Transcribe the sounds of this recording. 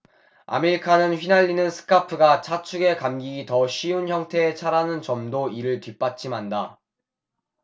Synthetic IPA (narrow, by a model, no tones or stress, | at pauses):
a̰meɾikʰanɯnɸɥinaʎːinɯnsʰɯ̥kʰapʰɯɡat͡ɕʰat͡ɕʰuɡe̞kamɡiɡitʌɕ͈ʰiunçjʌŋtʰe̞ːt͡ɕʰaɾanɯnt͡ɕʌmdoiɾɯɭtɥip͈at͡ɕʰimanda